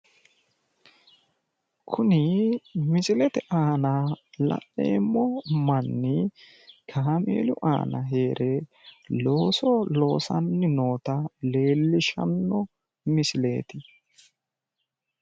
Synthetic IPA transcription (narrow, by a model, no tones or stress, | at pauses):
kʰʊnɪmɪsɪlɛt̪ɛʔaːnɐlɐ̰ʔḛːmːɔmɐnːɪ | kʰaːmḛːlʊʔa̰ːnɐ̰ɦe̞ːɾʔelo̞ːsɔlo̞ːsɐnːɪno̞ːt̪ɐle̞ːlːɪʃɐ̰nːɔ | mɪsɪle̞̰ːt̪ɪ